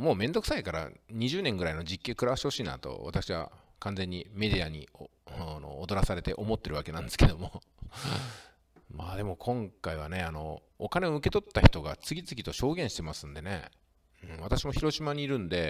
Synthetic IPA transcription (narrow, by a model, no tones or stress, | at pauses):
mo̞ːmẽ̞nd̪o̞ksaikaɾa̰ɲ̟iʑɨːnẽŋɡɯ̟ɾaino̞d͡ʑikʲːeːkɯ̟ɾaβaɕiho̞ɕiːna̰t̪o̰βa̰t̪akɯ̥ɕiβa̰kãnd͡ze̞ɲ̟ːime̞d̪iaɲ̟ḭ | no̰ːd̪o̞ɾasaɾe̞t̪e̞ʔo̞mo̞t̪ːe̞ɾɯ̟βake̞nãnd̪esɨ̥ked̪o̞mo̞ | maːd̪e̞mo̞kʰõ̞ŋkaiβane̞ano̞ː | kane̞o̞ɯ̟ke̞t̪o̞t̪ːaçʲi̥t̪o̞ɡa̰t͡sɨɡʲit͡sɨɡʲit̪o̞ɕo̞ːɡẽɕi̥t̪e̞masɨ̃nd̪e̞ne̞̰ | ɯ̟̃ɴβat̪aɕimoçiɾo̞ɕimaɲ̟iːɾɯ̟̃nd̪e̞